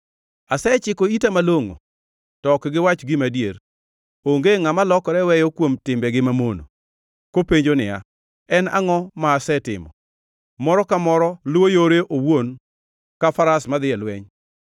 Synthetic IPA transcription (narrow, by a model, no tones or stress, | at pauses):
asɛt͡ʃɪkoitamaloŋo̰ | tɔkɡɪwat͡ʃɡɪmadjeɾ | oŋɡeŋamalɔkɔɾɛwɛjɔkwomtɪmbɛɡɪmamono̰ | kopeɲd͡ʒonɪ̰ja̰ | ɛna̰ŋɔmaːsɛtɪ̰mɔ̰ | mɔɾɔkamɔɾɔlwojoɾeʔowwon | kafaɾasmad̪ɪɛlwɛɲ